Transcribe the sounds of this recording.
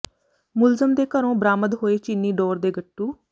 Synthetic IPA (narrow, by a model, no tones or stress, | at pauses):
mʊlzəmd̪eːkəɾõːbəɾaːməd̪ɦoːeːt͡ʃinːiːɖoːɾd̪eːɡəʈːuː